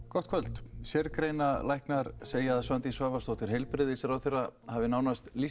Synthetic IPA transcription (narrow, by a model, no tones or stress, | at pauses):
kɔht̪̚ʰvœlt̪sjɛɾkɾejnalajhknaɾseːjaðasvant̪isvaːvast̪owht̪ɪɾ̥ɦejlpɾɪðɪsɛɾawθerːahavɪnaːwnast̪li